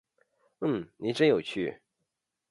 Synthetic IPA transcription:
n̩˥˩ni˨˩ʈ͡ʂə˥njo˨˩ʊt͡ɕʰy˥˩

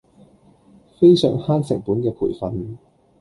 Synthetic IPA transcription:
fe˥jsœ̰ː˨˩ŋhaː˥nsɪ˨˩ŋpuː˨˥nkɛː˧pʰṵː˨˩jfɐ˨˧n

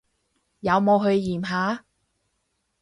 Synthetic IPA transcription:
jɐ˨˧wmo˨˧ɦɵ˧ɥjiː˨˩mɦaː˨˥

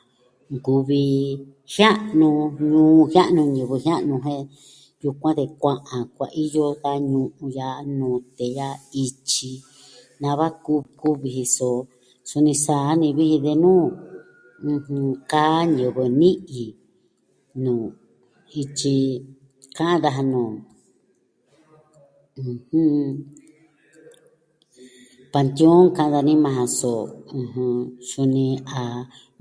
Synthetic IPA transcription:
ŋɡu˨βi˧ | hja˦nũ˧ɲũː˦˧hja˦ʔnũ˧ɲɨ̃˧βɨ˧ɦja˦ʔnũ˧ɦẽ˦ | ju˧kʷã˦t̪e˧kʷã˧ʔã˨kʷa̰˨ʔi˦jo˦ða˦ɲũ˧ʔũ˧ja˧˦nũː˨˧˨t̪e˨ja˦i˧t͡ʃi˧ | nã˧βa˦ku˦ku˦βi˧hi˧so˨ | su˧nĩ˧saː˨˦nĩ˧βi˦hĩ˧ðe˧nũː˦˧ | hũ˧ka˦ɲo˧˨βe˧nĩ˦ʔi˨ | nũː˨ | i˧t͡ʃi˧ | kã˦ʔã˦ða˧ɦa˧nũː˨ | ũ˧hũ˦ | pa˧nt̪jo˦ŋkã˧ʔã˧ða˧nĩ˦mã˧ɦã˧so˨ũ˧ɦũ˧su˧nĩ˧a˨

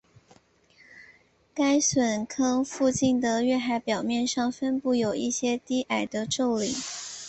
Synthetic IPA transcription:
ka˥ɪswə˨˩nkʰɤ˥ŋfu˥˧t͡ɕi˥˩nd̪ə˩ɥɛ˥˩xa˧˥ɪpjɑ˨˩ʊmjɛ˥˧nʂɑ˥˩ŋfə˥npu˥˩jo˨˩ʊi˥˩ɕjɛ˥t̪i˥ʔa˨˩ɪd̪ə˦ʈ͡ʂo˥˩ʊli˨˦

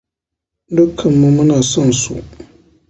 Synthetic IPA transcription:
dʊ˦kʰːɐ˨mːʊ̃˦mʊ̃˦naː˨sɔ˦nsṵ˨

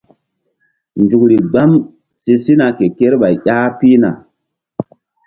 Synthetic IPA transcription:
nd͡ʒu˨kɾi˨ɡ͡ba˦m | se˨si˦na˨ke˨ke˦ɾɓa˨jʔʲa˦pi˦na̰˨

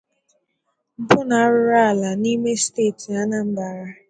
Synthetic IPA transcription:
m̩˦pʊ˦na˨a˦ɾʊ˦ɾa˦a˨la˨ni˦me˦steː˦˨ti˨a˦na˨m̩˦ba˨ɾa˦

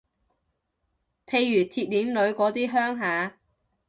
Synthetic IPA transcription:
pʰe˨˧jːyː˨˩t̪ʰiː˧t̚liː˨˥nlɵ˨˧ɥkɔː˨˥t̪iː˥ɦœː˥ŋɦaː˨˧

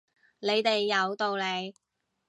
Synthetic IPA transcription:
le˨˧jt̪e˨jːɐ˨˧wt̪o˨wle˨˧j

